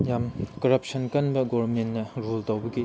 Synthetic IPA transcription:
jamkɐɾɐp̚sɐnkɐnbɐɡobɐmentnːɐɾultɐwbɐɡi

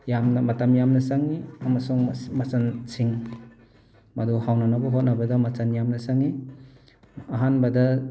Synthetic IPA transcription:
jamnɐmɐtɐmjamnɐsaŋiɐmɐsuŋmɐsɐnsiŋ | mɐduhawnanɐbɐɦot̚nɐbɐdɐmɐsɐnjamnɐsaŋi | ɦanbɐdɐ

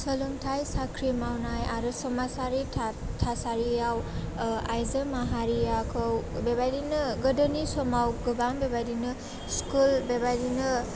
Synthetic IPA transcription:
səluŋtʰajsakʰɾimawnajaɾɯsɔmasaɾitʰtʰasaɾijawajzəmaɦaɾijakʰɔwbebajdinɯɡədənisɔmawɡɯbambebajdinɯ | skulbebajdinɯ

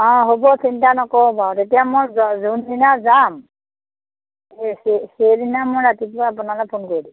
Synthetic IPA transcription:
ɔ̃ɦobɔsintanɔkɔbatetijamɔjzundinazam | esesedinamʊjɹatipʊaap̬ʊnalɔpʰonkoɹidi

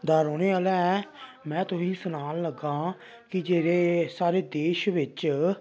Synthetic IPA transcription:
d̪aːɾoːneːaːlɛː | mɛ̃ːt̪ʊsĩːsʊnaːlləɡãː | kɪd͡ʒeːɾeːsaːɾeːd̪eːʃʋɪt͡ʃ

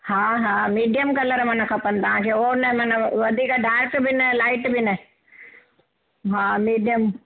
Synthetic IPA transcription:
haːɦaːmiːɖijəmkɐləɾmɐnəkʰɐpənt̪ɐʋ̤ãːkʰeːoːnɐmɐnəʋɐd̪ʱiːkɖaːɾkbʱinɐlaːɪʈbʱinə | ɦamiːɖijəm

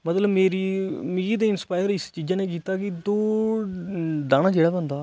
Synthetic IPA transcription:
mət̪ləbmeːɾiːmiːd̪eːɪnspaːɪəɾɪst͡ʃiːd͡ʒãːneːk̬iːt̪aːkɪd̪oː | ɖãːɽ̃ãːd͡ʒeːɽaːbənd̪aː

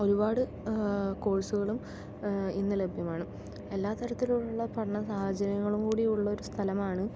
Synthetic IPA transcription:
o̞ɾubaːɽɨ | ko̞ːɻsuɣɐɭum | inːɨle̞bʱjɐmaːɳɨ | e̞lːaːt̪ːɐɾɐt̪ːiluɭuɭːɐpɐʈɐɳɐsaːhɐd͡ʑɐɾɐŋːɐɭumkuːɽiuɭːɐo̞ɾust̪ʰɐlɐmaːɳɨ

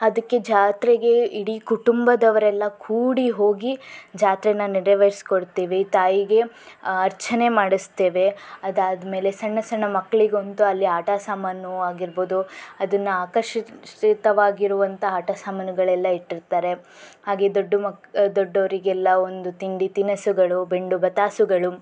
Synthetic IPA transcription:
ɐd̪ɐkːe̞d͡ʒaːt̪ɾeɡe̞iɽikuʈumbɐd̪ɐʋɐɾɛlːɐkʰuːɽiɦo̞ːɡid͡ʒaːt̪ɾɛnaːniɾɐʋɐɾskoɽt̪eːʋet̪aːjiɡe̞ɐɾt͡ʃɐne̞maːɽist̪e̞ːʋe̞ɐd̪aːd̪me̞ːle̞sɐɳːɐsɐɳːɐmɐkːɐɭiɡont̪uɐlːiaːʈasaːmɐnuaːɡiɾbo̞ːd̪uɐd̪ɐnːuaːkɐʂt̪ɐʋaːɡiɾuʋɐnt̪ʰɐaːʈasaːmɐnuɡɐɭɛlːɐiʈːiɾt̪aːɾe̞ | haːɡe̞d̪oɖːumɐd̪oɖːɐʋɐɾiɡɛlːɐond̪ut̪iɳɖit̪inɐsuɡɐɭube̞ɳɖubɐt̪aːsuɡɐɭu

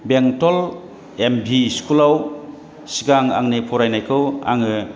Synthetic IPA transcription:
beŋtɔl | embʱiskʰulaw | siɡaŋa̰ŋnepʰɔɾajnajkʰɯwa̰ŋɯ

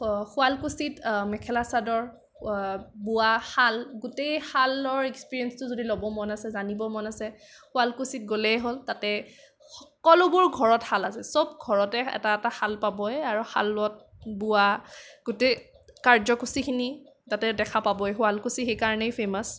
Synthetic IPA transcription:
xʊalkusitmɛkʰɛlasadɔɹ | bʊahalɡʊtejhalɔɹekspiɹiɛnstʊzodilɔbɔmɔnasɛzanibɔmɔnasɛ | xʊalkusit̚ɡolɛjɦoltatɛ | xɔkɔlʊbʊɹɡʱɔɹɔthalasɛsob̚ɡʱɔɹɔtɛɛ̰taɛtaxalpabɔɛaɹuxa̰lɔt̚ | bʊaɡ̥ʊtej | kaɹzɔkusikʰini | zatɛdɛkʰapabɔɛxʊalkusixejkaɹɔnɛjpʰemɔs

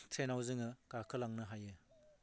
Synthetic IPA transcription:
tʰenawzɯŋɯkakʰɯlaŋnɯɦajɯ

